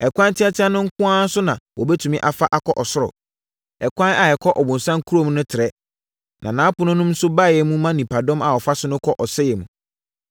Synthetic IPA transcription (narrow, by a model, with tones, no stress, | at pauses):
ɛ˨kʷʰã˦n˦tʰɪ˦a˦tʰɪ˦a˦nʊ̃˦ŋ̩˦kʊ̃˦ã˦n˦sʊ˦nã˨wɔ˨bɛ˦tʰũ˨mĩ˦ʔa˨fa˦ʔa˨kʰɔ˦ʔɔ˨sʊ˦ɾɔ̰˨ | ɛ˨kʷã˦na˨ɛ˨kʰɔ˦ʔɔ˨bʊ̃˨n˨sã˦ŋ˦kʰu˦ɾo˦mũ˦nʊ̃˦tʰɪ˨ɾɛ˨˦ | nʔã˨nã˨˦pʊ˨nʊ̃˦nũ˦mn̩˦sʊ˦ba˦˨jɛ˨mũ˦mã˦nĩ˨pʰa˨dɔ̃˦ma˨ɔ˨fa˦sʊ˦nʊ̃˦kʰɔ˦ʔɔ˨sɛ˦jɛ˨mũ˨